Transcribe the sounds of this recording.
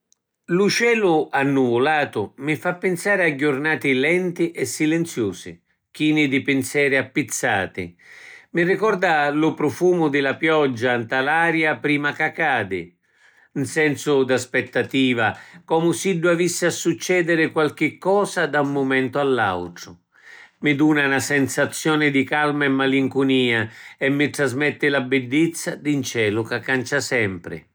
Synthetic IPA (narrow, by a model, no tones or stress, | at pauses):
lut͡ʃɛːlʊanːuvʊlaːt̪ʊmɪfapːɪnsaːɾɪaɟːʊrnaːt̪ɪlɛnt̪ɪʔɛsːilɛnt̪sjuːsɪ̰ | k̟iːnɪd̪ɪpɪnsɛːɾɪapːit̪sːaːt̪ɪ̰mɪrikɔrd̪alʊpɾɔfuːmʊd̪ɪlapjɔd͡ʒːant̪alaːɾjapɾiːmakakːaːd̪ɪ̰ | nsɛnsʊd̪aspɛt̪ːat̪iːvakɔːmʊsiɖːuavisːɪasːut͡ʃːɛːd̪ɪɾɪkwalk̟ɪkːɔːsad̪aumːʊmɛnt̪ʊalːa̰wʈɾʊ | mɪd̪uːnanasɛnsat̪sːjɔːnɪd̪ikalmaɛmːaliŋkʊniːaɛmːɪʈ̪ɾazmɛt̪ːɪlabɪdːɪt̪sːad̪int͡ʃɛːlʊkakːant͡ʃasɛmpɾɪ̰